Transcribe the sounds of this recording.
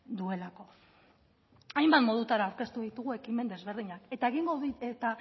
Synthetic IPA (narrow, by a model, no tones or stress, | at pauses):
d̪ue̞lako̞ | ajmbat̪mo̞ð̞ut̪aɾawɾke̞st̪uðit̪uɣue̞kime̞nd̪e̞zβe̞ɾð̞iɲake̞t̪aeɣ̞iŋɡoet̪a